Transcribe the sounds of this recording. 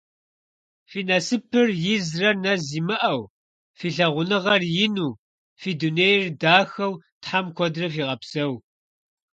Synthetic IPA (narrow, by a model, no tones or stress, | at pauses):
fiːnɐsɨpʰɨrjɪzrɐnɐziːmɨʔɐw | fiːɬɐʁʷʊnɨʁɐrjɪnuː | fiːduneːjrdaːxɐw | tħamkʷʰɔdrɐfiːʁɐpsɐw